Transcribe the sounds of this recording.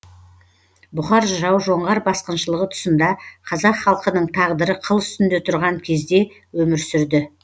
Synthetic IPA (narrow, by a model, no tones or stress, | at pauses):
bʊχɑɾʒɑwʒo̞ɴʁɑɾbɑsqənʃəlˠəʁət̪ʰʊ̥sənd̪ɑqʰɑzɑqχɑlˠqənəɴt̪ʰɑʁd̪əɾəqʰəlˠʏst̪ɪnd̪e̞t̪ʰʊɾʁɑŋkʲʰe̞zd̪e̞ | wɵmɪɾsʏɾd̪ɪ